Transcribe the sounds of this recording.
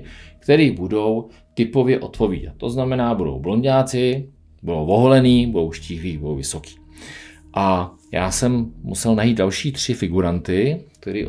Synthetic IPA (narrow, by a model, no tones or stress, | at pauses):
kt̪ɛɾiːbudo̞w | t̪ɪpo̞vjɛʔo̞t̪po̞vḭːda̰t̪ːo̞znamɛnaːbudo̰wbloɲɟaːt͡sɪ | budowvoɦolɛniːbudo̞wʃciːɦliːbudowvɪso̞ki̥ː | ʔa | jaːsɛmmusɛlnajiːt̪̚dalʃiːt̪r̝̥ɪfɪɡuɾant̪ɪk̚t̪ɛɾḭːʔ